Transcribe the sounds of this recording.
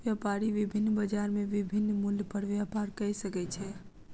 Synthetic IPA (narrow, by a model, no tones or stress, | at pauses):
ʋjapaɾiʋibʱinːbəd͡ʒaɾmeʋibʱinːmuljpəɽʋjapaɾkəjsəkɛt͡ʃʰɛ